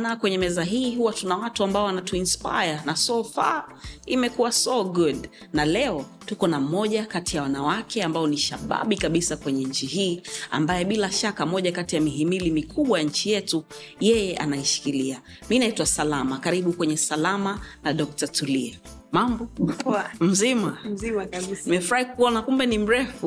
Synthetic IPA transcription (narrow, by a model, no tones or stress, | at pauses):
nakwɛɲɛmɛzaɦiːɦuwatunawatuambaɔwanatuinspa̰janasɔfa̰imɛkuwasɔɡuɗ | nalɛɔtukɔnam̩mɔʄakatijawanawakʰɛambaɔniʃaɓa̰ɓikaɓisakwɛɲɛɲ̩t͡ʃiɦiːa̰mbajɛɓilaʃakamɔʄakatijamiɦimilimikʰuɓwajaɲ̩t͡ʃijɛtu | jɛjɛʔa̰naiʃi̥kilia | minaitwasalamakaɾiɓukwɛɲɛsalamanaɗɔk̚tatuliɛ | mambɔ | m̩zima | nimɛfuɾahikuɔnakumbɛnim̩ɾɛfu